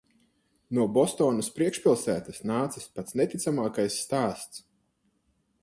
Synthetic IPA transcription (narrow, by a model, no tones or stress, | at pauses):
nuɔbɔst̪ɔːnɐspɾiɛkʃpʲilˠsæːt̪asnaːt̪sɐ̥spat̪snɛt̪it̪samaːkajsːt̪aːst̪s